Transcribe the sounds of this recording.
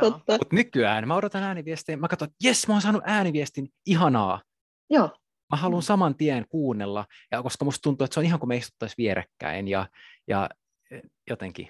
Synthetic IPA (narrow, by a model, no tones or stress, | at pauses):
oːɑut̪nykyæːnmæoɾot̪ɑnæːniʋiest̪iːmmækɑt̪oet̪jesmæonsɑːnuʔæːniʋiest̪iniɦɑnɑ̰ː | joː | mæhɑlunsɑmɑnt̪iænkuːnːelːɑjɑkoskɑmust̪unt̪uːet̪seonihɑŋkumeist̪u̥t̪ːɑsʋieɾæ̰kːæ̰injɑ̰jɑ̰ | jot̪eŋkḭ